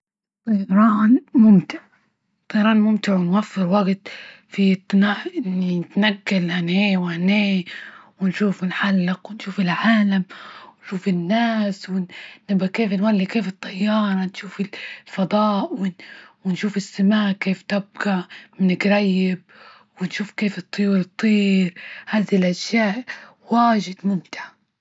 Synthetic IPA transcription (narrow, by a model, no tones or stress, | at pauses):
t̪ˤɨɾˤɑːnmʊmt̪ɪʕ | t̪ˤːɨːɾˤɑːnmʊmt̪ɪʕwɪnwafːɪɾwaɡt̪ | fit̪ːnaʔɪɪnːinɪt̪naɡːalhaneːwhaneːwɪnʃuːfɪnħalːɪqwɪnʃuːfɪlʕaːlamwɪnʃuːfɪnːaːswɪnɪbakeːfnwalːikeːfɨt̪ˤːɑjːɑːɾˤɑnʃuːfɪllfɑd̪ˤɑːʔwɪwɪnʃuːfɪsːamaːʔkeːft̪ɪb̚ɡaʕmɪnɪkɾˤɑjːɪb̚ | wɪnʃuːfkeːfɨt̪ˤːʊjuːɾɨt̪ˤːiːɾhaːðilʔaʃjaːʔ | waːʒɪd̪mʊmt̪ɪʕa